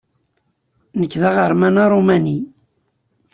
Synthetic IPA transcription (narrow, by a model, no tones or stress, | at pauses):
nəkːðaʁəɾmænaɾˤomæni